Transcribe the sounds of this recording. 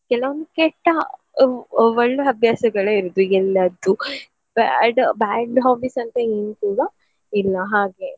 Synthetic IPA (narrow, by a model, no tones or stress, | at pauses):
kɛlɐʋond̪ukɛʈːɐ | ɔɭːɐɐbʱjaːsɐɡɐɭeiɾud̪uɛlːɐd̪u | baːɖbaːɖɦaːbiːsɐnt̪ɐeːnukuːɽɐ | ilːɐɦaːɡe̞